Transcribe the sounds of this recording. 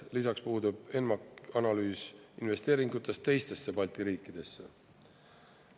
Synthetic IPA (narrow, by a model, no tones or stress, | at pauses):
lisɑkspuːd̪̥ub̥e̞nmɑkɑnɑlyːsinve̞st̪e̞ːɾiŋɡ̥ut̪ːˑe̞st̪t̪ːe̞jst̪e̞sːe̞pɑlʲt̪iɾiːkːˑid̪̥e̞sːe̞̰